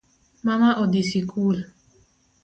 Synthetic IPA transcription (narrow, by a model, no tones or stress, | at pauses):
mamaʔodisikʰul